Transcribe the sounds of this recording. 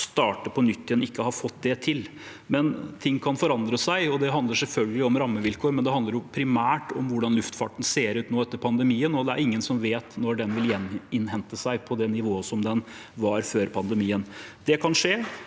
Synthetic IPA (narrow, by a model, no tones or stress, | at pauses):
st̪ɑːʈəpʰɔnʏt̪ːɪɛnɪkːəhɑɾfɔt̪ːd̪ɛt̪ʰɪl | mɛnt̪ʰɪŋːkʰɑnfɔɾɑnd̪ɾəsæɪɔd̪ɛɦɑnd̪əɾʂɛlfœlɡəlɪɔmɾɑmːəʋɪlkʰoːɾmɛnd̪ɛhɑnd̪əɾjʊpʰɾɪmæːʈɔmʋʊɖɑnlʉft̪fɑ̰ʈən̩seːɾʉːt̪noːɛt̪ːəɾpʰɑnd̪əmiːənɔd̪ɛæ̰ɾɪŋːənsɔmʋeːt̪nɔɖɛnʋɪljɛnɪnhɛnt̪əsæɪpʰɔd̪ɛnɪʋoːəsɔmd̪ɛn | ʋɑɾføːɾpʰɑnd̪əmiːənd̪̥ɛkʰɑnʂeː